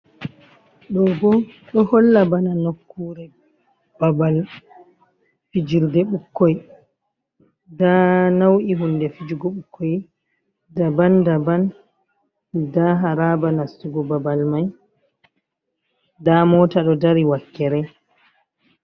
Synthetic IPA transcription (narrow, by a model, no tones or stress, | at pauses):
ɗɔɡɔɗɔhɔlːabananokːuːɾɛ | b̥abal | fid͡ʒiɾdɛɓukːɔj | danawʔiɦundɛfid͡ʒuɡɔɓukʰːɔj | dabandaban | daɦaɾabanasuɡɔbabalmaj | damɔːtaɗɔdaɾiwakːɛɾɛ